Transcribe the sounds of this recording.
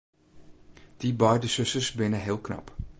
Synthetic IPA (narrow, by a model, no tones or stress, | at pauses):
d̥ibœjdəsɵsəsbɪnəɦɪəlˠknɑ̰p